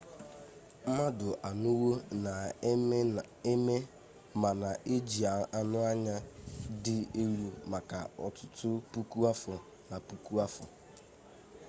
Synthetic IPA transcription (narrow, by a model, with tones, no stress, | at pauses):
m̩˦ma˦dʊ˨ʔa˨nu˦wo˦na˨˦ | me˦ | ma˨na˨ʔe˦d͡ʒi˨a˨a˨nʊ˦a˦ɲa˦dɪ˦e˦ɾu˦ma˨ka˨ɔ˨tʊ˦tʊ˦pu˦ku˦a˦fɔ˨ | na˨pu˨ku˦a˦fɔ̰˨